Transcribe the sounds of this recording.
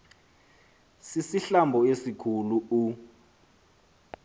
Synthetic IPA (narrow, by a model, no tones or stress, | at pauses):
sisiɬambʱɔesikʰuluu